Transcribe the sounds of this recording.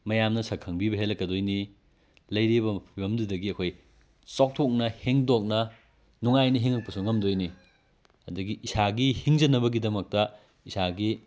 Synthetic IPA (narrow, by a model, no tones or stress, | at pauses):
mɐjamnɐsɐkʰɐŋbibɐɦelɐkːɐdojni | lɐjɾibɐpʰibɐmdudɐɡiɐkʰoj | sok̚tʰok̚nɐheŋdok̚nɐ | nuŋajnɐɦiŋɐk̚pɐsuŋɐmdojni | ɐduɡiʔːsaɡihiŋd͡ʒɐnɐbɐɡidɐmɐk̚tɐ | isaɡi